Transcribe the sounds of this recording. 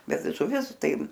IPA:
ˈbʲɛt ʒʊˈʋʲɪs ˈtɐɪ

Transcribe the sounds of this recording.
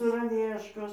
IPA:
sɐrɐˈʋʲiɛʃkoːs

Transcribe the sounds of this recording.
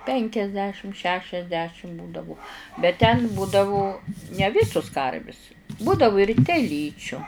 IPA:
ˈpʲɛŋʲkʲɛzʲdʲɛʃʲɪm ˈʃʲæːʃʲɛzʲdʲɛʃʲɪm ˈbuːdɐʋʊ bʲɛt tʲɛn ˈbuːdɐʋʊ nʲɛ ˈʋʲɪsʊs ˈkɐrʲʋʲɪs ˈbuːdɐʋʊ ɪr tʲɛˈlʲiːt͡ʃʲʊ

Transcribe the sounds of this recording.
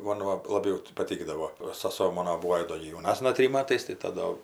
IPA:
ˈmoːn ʋɐ lˠɐˈbʲɛʊ tʲɪ pɐˈtʲɪɡdɐʋoː oː sɐˈsoː ˈmoːnoː ˈbuːoː jɪ ˈdoː ɡʲɪ jɛʊˈnɑːsnɐ ˈtʲrʲɪm ˈmɑːtɐɪs tɐɪ ˈtɐ doː

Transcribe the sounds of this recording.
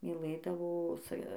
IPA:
mʲiːˈlˠɘdɐʋoː sɐ

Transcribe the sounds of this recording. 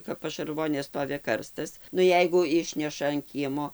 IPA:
kɐp pɐʃɐrˈʋoːnʲeː ˈstoːʋʲɪ ˈkɐrstɐs nʊ ˈjɛɪɡʊ ˈɪʃʲnʲɛʃɐ ɐn ˈkʲiɛmoː

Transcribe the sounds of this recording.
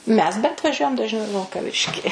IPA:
ˈmʲɛs bʲɛnt ʋɐˈʒʲuɔjɛm dɐʒʲˈnʲɛʊ ɪ ʋʲɪlˠkɐˈʋʲɪʃʲkʲɪ

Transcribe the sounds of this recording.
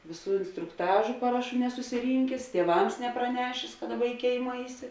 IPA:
ˈʋʲeːˌsuː ɪnstrʊkˈtɑːʒʊ ˈpɑːrɐˌʃuː nʲɛsʊsʲɪˈrʲiːŋʲkʲeːs tʲiɛˈʋɐms nʲɛprɐˈnʲæːʃʲeːs kɐ ˈdɑːˌbɐ ɪ ˈkʲeːɪmɐ ˈɐɪˌsʲɪ

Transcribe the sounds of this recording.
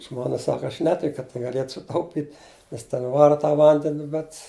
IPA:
ˈʒmoːnɐ ˈsɑːkɐ ɐʃ ˈnʲæːtʲɪk kɐt tɐɪ ɡɐˈlʲiɛt sʊˈtɐʊpʲɪtʲ nʲɛs tʲɛn ˈʋɑːrɐ tɐ ˈʋɐnʲdʲɛnʲɪ bʲɛt

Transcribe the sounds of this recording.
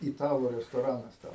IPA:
ɪˈtɑːlˠuː rʲɛstoːˈrɑːnɐs tʲɛn

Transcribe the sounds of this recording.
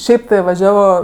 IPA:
ˈʃʲɛɪp tɐɪ ʋɐˈʒʲæːʋoː

